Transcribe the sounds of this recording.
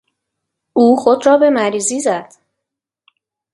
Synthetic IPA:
uːxo̞d̪ɾɒːbe̞mæɾiːziːzæd̪̥

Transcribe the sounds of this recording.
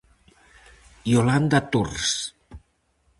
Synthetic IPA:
joland̪at̪urs

